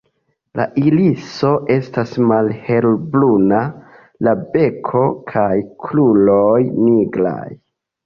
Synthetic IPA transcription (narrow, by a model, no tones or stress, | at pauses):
la̰ʔiliso̞ʔe̞stasmalhe̞lbluna | labe̞kʰo̞kʰajkʰlulojniɡla̰j